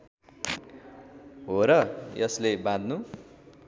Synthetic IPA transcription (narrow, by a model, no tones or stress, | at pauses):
ɦoɾʌjʌslebãd̪ʱnu